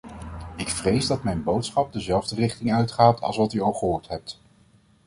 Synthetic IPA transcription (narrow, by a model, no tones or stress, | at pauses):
ɪkfrejzdɑtmɛjnbowtsχɑp̚dəzɛlˠvdərɪχtɪŋœɥtχaːtʰɑ̰lˠsʋɑtyolˠχəɦʊːɹtɦɛp̚t